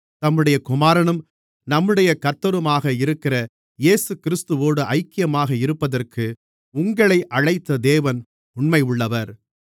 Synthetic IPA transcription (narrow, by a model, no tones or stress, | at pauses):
t̪ɐmːɯɽɐjɐkʊmaːɾɐɳɯm | nɐmːɯɽɐjɐkɐt̪ːɐɾɯmaːɣɐɪɾɯkːɪrɐ | jeːsɯkɪɾɪst̪ɯʋoːɽɯʔɐɪkːɪjɐmaːɣɐɪɾɯpːɐðɐrkɯ | ʊŋɡɐɭɐɪʔɐɻɐɪt̪ːɐd̪eːʋɐn | ʊɳmɐɪʊɭːɐʋɐɾ